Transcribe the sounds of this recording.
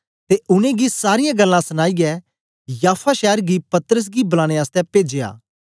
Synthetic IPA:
t̪eʔʊñẽɡisaːɾɪjãɡɐlːãsɐñaːiɡɛ | jaːpʰaʃɛːɾɡipɐt̪əɾəs̬ɡibɐlãːɽ̃eaːst̪ɛpeːd͡ʒeːa̰ː

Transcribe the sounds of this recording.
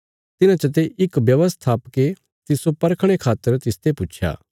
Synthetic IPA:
t̪ɪnãt͡ʃɐt̪̬eʔɪkbjɐʋəst̪ʰaːpke | t̪ɪsopɐɾkʰɽ̃ekʰaːt̪ːəɾt̪ɪst̪epʊt͡ʃʰja̰ː

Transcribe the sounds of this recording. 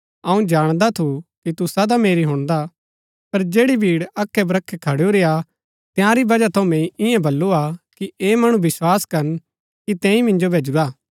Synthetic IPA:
ɐũd͡ʒaːɽ̃d̪at̪ʰukit̪usɐd̪ameːɾiɦʊ̃ɽ̃d̪a | pɐɾd͡ʒeːɽibʱiːɽɐkʰːɛbɾɐkʰːɛkʰɐɽjoɾeja | t̪jãɾibɐd͡ʒat̪ʰomẽːĩɪjãbɐlːuakieːmɐɽ̃ũbɪswaːskɐɾn | kit̪ɛ̃ːĩmɪ̃nd͡ʒobʱeːd͡ʒuɾaː

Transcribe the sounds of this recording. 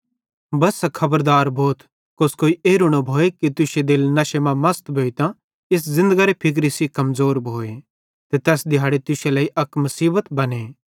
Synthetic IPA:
bɐsːakʰɐbəɾd̪aːɾbʱoːt̪ | koskoːiʔeːɾʊɽ̃obʱoːekit̪ʊʃed̪eːlnɐʃemãmɐst̪bʱoːit̪ã | ɪs̬zɪ̃nd̪əɡaɾepʰɪk̬ɾisikɐmzoːɾbʱoːe | t̪et̪ɛːsd̪ɪjɦaːɽet̪ʊʃelɐːiʔɐkmɐsiːbət̪bɐneː

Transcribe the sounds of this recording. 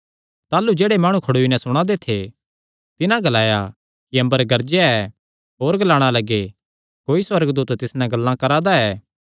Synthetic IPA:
t̪aːlud͡ʒeːɽemaːɽ̃ũkʰɐɽuːinɛ̃sʊɽ̃ãd̪et̪ʰe | t̪ɪnãɡɐlaːja̰ | kiɐ̃mbəɾɡɐɾd͡ʒjaɛ | ɦoːɾɡɐlaːɽ̃alɐɡe | koːiswɐɾɡd̪uːt̪t̪ɪsnɛ̃ɡɐlːãkɐɾad̪aɛː

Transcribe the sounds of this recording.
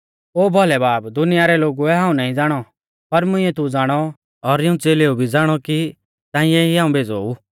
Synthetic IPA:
oːbʱɔlɛbaːbd̪ʊnɪjaɾɛloːɡuɛɦãːũnaːĩd͡zaːɽ̃ɔ | pɐɾmʊ̃ĩɛt̪ud͡zaːɽ̃ɔ | ɔɾɪũt͡seːleːubʱid͡zaːɽ̃ɔki | t̪ãːɪ̃jɛɦiɦaːũbʱeːd͡zoːu

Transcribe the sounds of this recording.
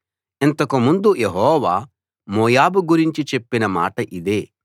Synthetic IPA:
ent̪ɐkumund̪ujeɦɔːʋaː | moːjaːbuɡuɾiɲt͡ʃit͡ʃe̞pːinɐma̰ːʈɐʔid̪e̞ː

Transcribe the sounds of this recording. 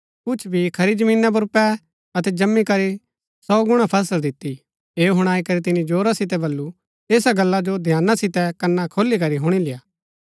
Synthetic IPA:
kʊt͡ʃʰbʱikʰɐɾid͡ʒɐmĩːnap̬ɐɾʊpɛ | ɐt̪ɛd͡ʒɐmːikɐɾi | sɔːɡʊɽ̃apʰɛːs̬əld̪ɪt̪ːi | eːoɦʊɽ̃aːikɐɾit̪̬ɪnĩd͡ʒoːɾasɪt̪̬ɛbɐlːu | eːsaɡɐlːad͡ʒod̪ʱjaːnːasɪt̪ɛkɐnːakʰoːlik̬ɐɾiɦʊɽ̃ilɪjaː

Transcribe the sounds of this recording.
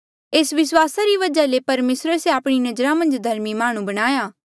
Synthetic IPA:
eːsʋɪswaːsaɾiʋɐd͡ʒalepɐɾmeːsɾəseaːpɽ̃inɐd͡ʒɾãmɐ̃nd͡ʒd̪ʱɐɾmimaːɽ̃ũbɐɽ̃aːjaː

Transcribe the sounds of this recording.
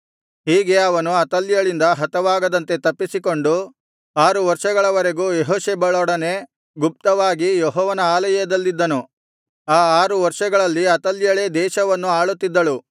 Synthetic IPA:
hiːɡe̞ɐʋɐnuɐt̪ɐljɐɭind̪ɐɦɐt̪ɐʋaːɡɐd̪ɐnt̪e̞t̪ɐpːisiko̞ɳɖu | aːɾuʋɐɾʂɐɡɐɭɐʋɐɾe̞ɡuːjeɦoːʃeːbɐɭɔɽɐne̞ | ɡup̚t̪ɐʋaːɡijɔɦɔːʋɐnɐaːlɐjɐd̪ɐlːid̪ːɐnu | aːaːɾuʋɐɾʂɐɡɐɭɐlːiɐt̪ɐljɐɭe̞ːd̪ɛːʃɐʋɐnːuaːɭut̪ːid̪ːɐɭu

